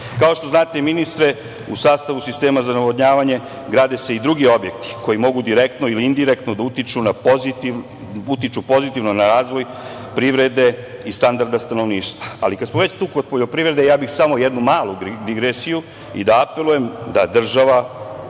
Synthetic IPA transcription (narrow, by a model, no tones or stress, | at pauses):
kao̞ʃt̪o̞znaːt̪eminist̪ɾe̞ | usaːst̪aʋusist̪e̞ːmazanaʋod̪ɲaːʋaɲe̞ | ɡɾaːd̪ese̞id̪ɾuɡio̞bje̞kt̪i̥ko̞jimo̞ɡud̪iɾekt̪noiliind̪iɾekt̪nod̪aut̪it͡ʃunapozit̪i | ut̪it͡ʃupo̞zit̪iʋnonaɾaːzʋo̞j | pɾiʋɾe̞d̪e̞ist̪and̪aɾd̪ast̪ano̞ʋniːʃt̪ʋaa̰likad̪smoʋe̞t͡ɕt̪uːkod̪̚poʎo̞pɾiʋɾe̞d̪ejaːbixsamo̞jed̪numaːlˠud̪iɡɾesiju | ḭd̪aape̞luje̞md̪ad̪r̩ʒaʋa